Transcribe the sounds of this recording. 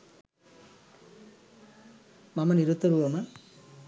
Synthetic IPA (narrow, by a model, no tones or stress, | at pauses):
mɐmɐniɾut̪ːɐɾuʋɐmɐ